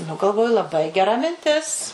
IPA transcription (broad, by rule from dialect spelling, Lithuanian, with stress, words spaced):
nʊ ɡɐlˠˈʋoːjʊ lˠɐˈbɐɪ ɡʲɛˈrɐ mʲɪnʲˈtʲɪs